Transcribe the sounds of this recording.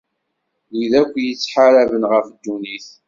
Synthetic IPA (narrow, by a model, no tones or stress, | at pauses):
liðækʷːjət͡sːħaɾævənʁəfd̪ːuniθ